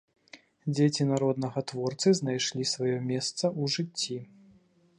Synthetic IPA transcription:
d͡zʲet͡sʲinaɾɔd̪nɐɣɐt̪vɔrt̪sɨznajʂlʲisvajɔmʲɛst̪sɐʔuʐɨt͡sʲːi

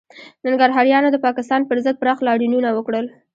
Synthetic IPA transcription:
naŋɡaɾɦɑɾjɑnod̪əpɑkɪst̪ɑnpəɾzəd̪̚pɾɑxlɑɽununawəkɽəl

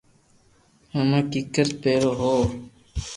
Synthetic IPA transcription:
həmãːkɪkəɾpeːɾoːɦoː

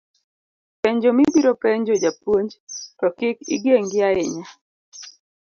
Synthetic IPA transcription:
pɛɲd͡ʒomibiɾopɛɲd͡ʒod͡ʒapwoɲd͡ʒtɔkɪkḭɡeŋɡɪaɪɲa

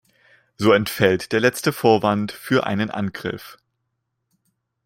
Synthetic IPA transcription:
z̥oːɛntfɛltd̥eːɐlɛt͡stəfoːɐvantfyːɐʔa̰ɪnənʔa̰nɡʁɪ̰f

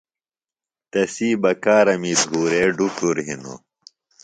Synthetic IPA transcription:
t̪ɐsiːbɐkaːɾɐmiːt̪ɦuːɾeːɖukuɾɦino̰

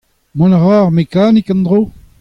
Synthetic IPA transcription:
mɔ̃nʁaːʁmekaːnikɑ̃nd̪ʁoː

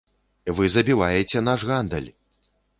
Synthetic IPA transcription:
vɨzɐbʲivajɛt͡sʲɛnaʐɣand̪ɐ̰lʲ

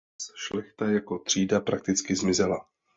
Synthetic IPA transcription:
sʃlɛxt̪ajako̞t̪r̝̥iːdapɾak̚t̪ɪt͡skɪzmɪzɛla

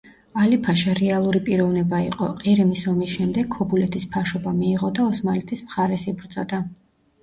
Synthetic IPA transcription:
alipʰaʃɛɾɛalˠuɾipʼiɾɔvnɛbaiqʼɔ̰qʼiɾimisɔmisʃɛmd̪ɛɡʰɔbulɛt̪ʰispʰaʃɔbamiːʁɔd̪aɔsmalɛt̪ʰismχaɾɛsibɾd̪z̥ʼɔd̪a

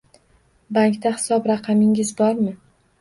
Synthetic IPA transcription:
baŋkt̪ahɪ̥sɒbɾɑqʰɑmɪŋɪzbɒɾmɪ

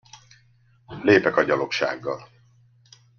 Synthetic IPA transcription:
leːpɛkɒɟɒlo̞kʃa̰ːɡːɒl

